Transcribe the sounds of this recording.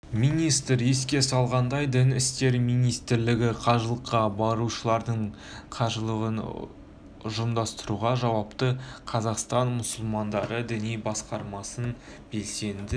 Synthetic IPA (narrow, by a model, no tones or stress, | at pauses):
mijnijst̪ɾe̞skʲe̞sɑlˠʁɑnd̪ɑjd̪ɪnɪst̪e̞ɾmijnijst̪ɪɾlɪɡʲɪqʰɑʒəlˠəqːɑbɑɾuʃəlˠɑɾd̪əɴ | qʰɑʒəlˠəʁən | ʊʒəmd̪ɑst̪əɾuʁɑʒɑwɑpt̪əqʰɑzɑqst̪ɑnmʊsʊlˠmɑnd̪ɑɾəd̪ɪnejbɑsqɑɾmɑsən | be̞lse̞nd̪ɪ